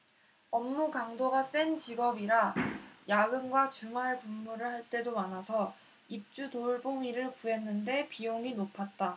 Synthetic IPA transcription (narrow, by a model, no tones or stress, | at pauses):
ʌmːukaŋdoɡas͈ent͡ɕiɡʌbiɾajaɡɯnɡwat͡ɕuŋaɭpumːuɾɯɭhaɭt͈e̞domanasʰʌ | ip̚t͡ɕ͈utoɭboŋiɾɯɭpue̞nːɯnde̞pijoŋinopʰat̚t͈a